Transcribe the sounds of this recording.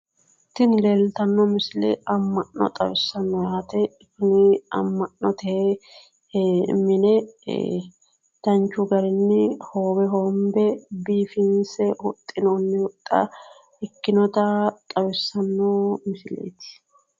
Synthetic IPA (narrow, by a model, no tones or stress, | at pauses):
ɪt̪ːɪnleːlt̪ɐnːɔmɪsɪlɛ̰ɐmːɐʔnːɔ̰t̪ʼɐwɪsːɐnːɔjaːt̪ɛɪkːɪnɪɐ̰mːɐnnɔt̪ɛhe | mɪnɛ | d̪̥ɐnt͡ʃːʊɡɐɾɪnːɪhoːbɛɦombɛbiːfɪnsɛhʊt̪ʼːɪnonːɪwʊt̪ʼːɐ̰ | ɪkːɪnɔt̪ɐt̪ʼɐwɪsːɐnːoːmɪsɪlḛt̪ɪ̥